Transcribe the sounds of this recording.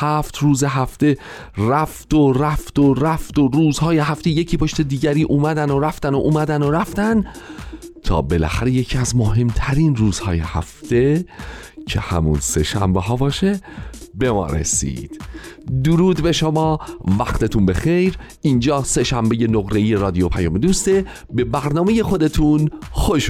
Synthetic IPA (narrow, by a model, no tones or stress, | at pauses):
hæft̪ʰɾuːze̞ɦæft̪e̞ | ræft̪oræft̪oɾæft̪oɾuːzhɒːjeɦæft̪eje̞cʰiːpʰo̞ʃt̪e̞d̪iːɟæɾiːʔuːmæd̪ænoɾæft̪ænoʔuːmæd̪ænoɾæft̪æn | t̪ʰɒ̰ːbe̞læ̰xæɾe̞je̞cʰiːæzmoɦe̞mt̪ʰæɾiːnruːz̥hɒːjehæ̰ft̪e̞ | cʰe̞̰hæ̰mṵnse̞ʃæ̰mbeɦɒːbɒːʃe̞be̞mɒ̰ːɾḛsḭːd̪̥d̪uɾuːd̪be̞ʃomɒːvæxt̪e̞t̪ʰunbe̞xejɾ | iːnd͡ʒɒːse̞ʃæmbe̞je̞noɣɾe̞iːje̞ɾɒːd̪ijo̞pʰæjɒːmed̪ust̪e | be̞bæɾnɒːme̞je̞xo̞d̪et̪ʰunxoʃ